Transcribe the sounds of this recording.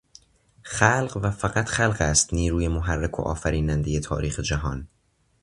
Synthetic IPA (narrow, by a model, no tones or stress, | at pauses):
xælɢvæfæɣæt̪ʰχælɢæst̪niːɾuːjemoɦærːekʰo̰ʔɒ̰ːfæɾiːnænd̪e̞je̞t̪ʰɒ̰ːɾiːxed͡ʒæɦɒːn